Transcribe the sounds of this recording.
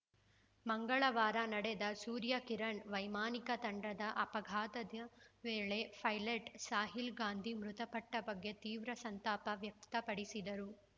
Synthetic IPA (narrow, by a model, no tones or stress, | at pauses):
mɐŋɡɐɭɐʋaːɾɐnɐɽed̪ɐsuːɾjɐkiɾɐɳʋɐjmaːnikɐt̪ɐɳɖɐd̪ɐʔɐpɐɡʱaːt̪ɐd̪ɐʋeːɭepʰɐjleʈsaːɦilɡaːnd̪ʱimɾut̪ɐpɐʈːɐbɐɡːe̞t̪iːʋɾɐsɐnt̪aːpɐʋjɐk̚t̪ɐpɐɽisid̪ɐɾu